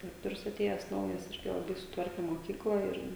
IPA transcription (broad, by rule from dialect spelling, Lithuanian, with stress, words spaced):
dʲɪˈrʲæːktoːrʲʊs ɐˈtʲeːjɛs ˈnɐʊjɛs ˈɪrʲɡʲɪ lˠɐˈbɐɪ sʊˈtʋɐrʲkʲɛ moːˈkʲiːklˠɐ ɪr